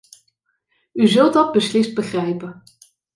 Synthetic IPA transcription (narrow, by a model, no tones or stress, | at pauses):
yzɵlˠdɑd̚bəslɪst̚bəχrɛjpə